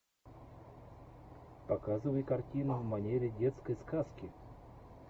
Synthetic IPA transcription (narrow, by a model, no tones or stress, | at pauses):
pɐkazɨvɐjkɐrtʲinʊmɐnʲeɾʲɪdʲet̪skəjskaskʲɪ